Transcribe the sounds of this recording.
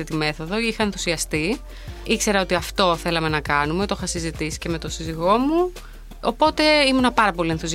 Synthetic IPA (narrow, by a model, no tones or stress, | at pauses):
it̪ime̞θo̞ðo̞ixɐe̞nθu̥siɐst̪i | ikse̞ɾɐo̞t̪iɐft̪o̞θe̞lɐme̞nɐkɐnume̞t̪oxɐsizit̪isi̥ce̞me̞t̪o̞siziɣo̞mu | opo̞t̪e̞imunɐpɐɾɐpo̞lie̞nθus